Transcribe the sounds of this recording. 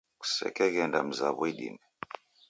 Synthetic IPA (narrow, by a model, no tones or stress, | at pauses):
ku̥sɛ̰kɛɣɛndam̩zaβɔiɗḭnɛ